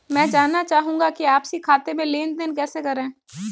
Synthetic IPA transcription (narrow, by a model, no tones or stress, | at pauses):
mɛ̃ːd͡ʒaːnːat͡ʃaːɦũːŋ̆ɡakiaːpsikʰaːt̪emẽleːnd̪ɪnkɛːsekɐɾẽː